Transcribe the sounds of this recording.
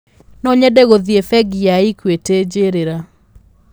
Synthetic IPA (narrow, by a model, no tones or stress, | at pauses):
nɔɲɛdɛɣoðiefɛɡiaikweted͡ʒeɾeɾa